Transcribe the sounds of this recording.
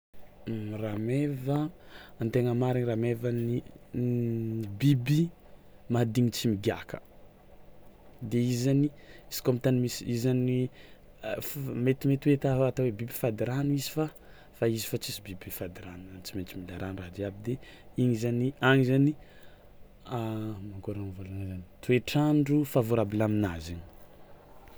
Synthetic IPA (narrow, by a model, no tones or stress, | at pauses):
ramevəant̪eŋəmaɾiniramevani | bibi | mad̪iŋit͡simiɡiakʰə̰̥ | d̪eizaniiz̥i̥komit̪animisiizani | fmet̪imet̪uet̪aat̪awebibifad̪iɾanuizifa | faizi̥fat͡sisibibifad̪iɾanant͡siment͡ʃimilaɾanraɦd̪iabid̪e | iɲizaniaŋizani | amaŋkoɾanivolanzani̥t̪ueʈ͡ʂaɳɖ͡ʐufavuɾabilaminazini̥